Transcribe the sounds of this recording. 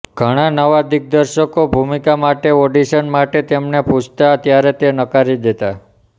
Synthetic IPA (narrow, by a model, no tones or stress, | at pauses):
ɡ̥ʱəɽ̃anəʋad̪ik̚d̪əɾʃəkobʱumikamaʈeoɖiʃənmaʈet̪emneput͡ʃʰt̪at̪jaɾet̪enəkaɾid̪et̪a